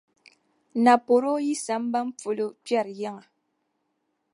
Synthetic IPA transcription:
na˨po˨ɾo˦ji˦sa˨˦m˦ba˦m̩˦p͡fo˨lo˦pja˦˨ɾja˦ŋa˨

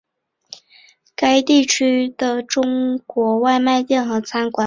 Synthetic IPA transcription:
ka˥ɪt̪i˥˩t͡ɕʰy˥d̪̥ə˨ʈ͡ʂʊ˥ŋkwɔ˧˥wa˥˧ɪma˥˧ɪt̪jɛ˥˩nxɤ˧˥t͡sʰa˥nkwa˨˩

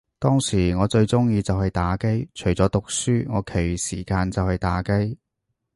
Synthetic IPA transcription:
t̪ɔː˥ŋsiː˨˩ŋɔː˨˧t͡ʃɵ˧ɥt͡sʊ˥ŋjiː˧t͡sɐ˨whɐ˨jt̪aː˨˥ke˥jt͡ʃʰɵ˨˩ɥt͡sɔː˨˥t̪ʊ˨k̚syː˥ŋɔː˨˧kʰe˨˩jsiː˨˩kaː˧nt͡sɐ˨whɐ˨jt̪aː˨˧˥ke˥j

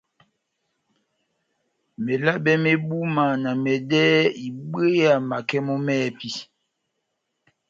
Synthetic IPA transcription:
me˨la˦bɛ˦me˦bu˦ma˨na˨mɛ˨dɛː˦i˨ɓe˦ja˨ma˨kɛ˦mɔ˦mɛː˦˨pi˦

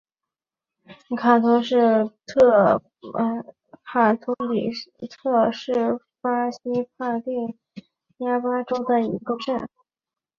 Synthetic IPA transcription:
kʰa˨˩t̪ʰʊ˧˥ʂɻ̩˥˧t̪ʰɤ˥˧˩ | pʰa˨˩t̪ʰʊ˧˥ŋlḭ˨˩t̪ʰɤ˥˧ʂɻ̩˥˩ | fa˥ɕi˥pʰa˥˧t̪i˥˩ | ja˥pa˥ʈ͡ʂo˥ʊd̪ə˨ḭ˧˥kə˥˧ʈ͡ʂə˥˩n

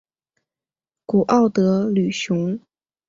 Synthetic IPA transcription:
ku˨˩ʔɑ˥˩ʊt̪ɤ˧˥ly˨˩ɕjʊ˧˥ŋ

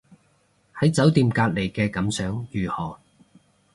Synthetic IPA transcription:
hɐ˨˥jt͡sɐ˨˥wt̪iː˧mkaː˧t̚le˨˩jkɛː˧kɐ˨˥msœː˨˥ŋjyː˨˩hɔː˨˩

